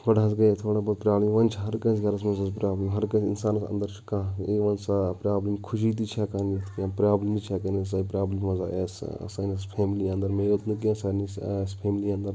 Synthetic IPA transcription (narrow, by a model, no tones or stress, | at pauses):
kɐɖasɡɐt̪ʰoːɽaːbɐpɾʲaːblimʋɐnt͡ʃʰɦɐɾkɐ̃sɡɐɾɐs̬mɐzɐspɾaːblimɦɐɾkɐ̃zinsaːnɐsɐ̰nd̪əɾt͡ʃʰi̥kãːiʋɐnsapɾaːblimkʰʊʃ̬it̪̬it͡ʃʰakɐnit̪ʰkãpɾaːblimit͡ʃʰakɐnɐs̬aipɾaːblimmɐzaːʔeːsɐ̰sanɐspʰeːmliɐ̃nd̪ɐɾmeːɾot̪nik̬iãsaːnisespʰeːmliɐ̃nd̪ɐɾ